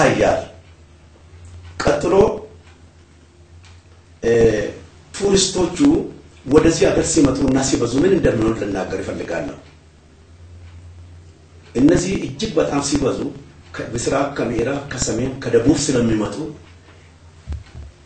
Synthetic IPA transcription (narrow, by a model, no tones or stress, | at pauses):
ajːa̰l | kʼɐt̪ʼːɨlo̞ː | t̪ʰuɾɪst̪o̞t͡ʃːuwɔd̪ɐzihɐɡɐɾsimɐt̪ʼunːasibɐzumɨnɨnd̪ɐmːɪnollɨnːaːɡːɐɾɪfɐlːɨɡa̰ːlːɐ̰hu | ʔɨnːəzːihɪd͡ʒːɪɡ̚bɐt̪ʼaːmsibɐzukʰbɨsɪɾaːkɐmɪheɾakʰɐsɐmeːmkʰɐd̪ɐbuːbsɨlɐmːɪmɐt̪ʼu